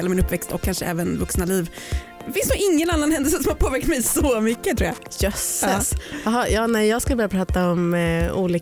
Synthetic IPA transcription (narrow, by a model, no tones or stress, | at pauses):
lamɪnɵpːvɛkst̪ɔkʰːanʂəʔɛ̰ːvənvɵksnaliːv | fɪnsuɡɪŋːənanːanhɛnd̪ɛlsəsɔmhaɾpʰoːvæɾk̚t̪mɛjsɔmʏkːət̪ʰɾuːja̰jœsːəsɦɑjɑːnɛjjɑːɡskɯlbœɾjapʰɾɑːt̪aɔmṵːliː